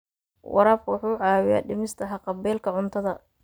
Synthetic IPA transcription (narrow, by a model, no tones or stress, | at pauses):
wʔɑ̰ɾaːb̚kʰʊwɑħuːʕɑːwɪja̰ːɖɪmɪst̪ʰɐɦɑqɑbɛːlkʰɐʕʊnt̪ʰɐðɐ